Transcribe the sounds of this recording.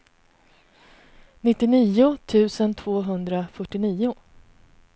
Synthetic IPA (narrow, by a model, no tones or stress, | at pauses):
nɪt̪ːɪniːʊt̪ʰʉ̟ːsənt̪ʰvoːɦɵnd̪ɾafœʈːɪniːʊ